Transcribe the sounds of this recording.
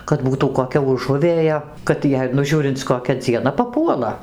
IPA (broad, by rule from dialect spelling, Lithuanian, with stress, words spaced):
kɐt ˈbuːtuː koːˈkʲɛ ʊˈʒʊʋʲeːjɛ kɐt ˈjɛɪ nʊ ˈʒʲuːrʲɪnt͡s koːˈkʲɛ d͡zʲiɛˈnɐ pɐˈpuɔlˠɐ